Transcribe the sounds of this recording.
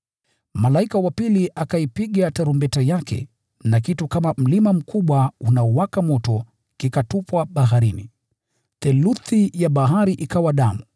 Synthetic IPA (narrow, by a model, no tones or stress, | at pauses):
malaikawapiliʔakaipiɠataɾumbɛtajakʰɛ̰ | nakitukamam̩limam̩kuɓwaunaɔwakamɔtɔ | kikatupwaɓaɦaɾinḭ | θɛluθijaɓaɦaɾiʔikawaɗamu